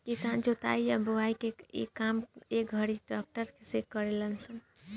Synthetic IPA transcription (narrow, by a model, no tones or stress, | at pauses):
kisand͡ʒot̪a̰iaboʋaikeḛkːamek̚ɡʱəɾiɖɔk̚ʈəɾkesekːəɾelənsən